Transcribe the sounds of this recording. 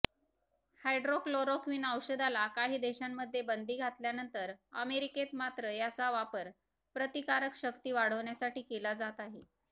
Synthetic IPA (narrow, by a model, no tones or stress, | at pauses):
hajɖɾofloɾokʋiːnəwɕəd̪alakaɦiːd̪eɕamːəd̪ʱːjebənd̪ʱiːɡʱat̪ljanənt̪əɾəmeɾiket̪mat̪ɾəjat͡saʋapəɾ | pɾət̪ikaɾəkɕəkt̪iːʋaɽ̤əʋɳjasaʈiːkelad͡zat̪aɦe